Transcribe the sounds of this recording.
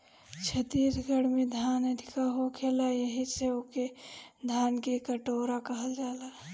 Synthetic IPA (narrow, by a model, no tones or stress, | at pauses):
t͡ʃʰət̪iɾɡəɽ̤med̪ʱanəd̪ʱikaɦokʰelajəɦiseoked̪ʱankekəʈoɾakəɦəld͡ʒala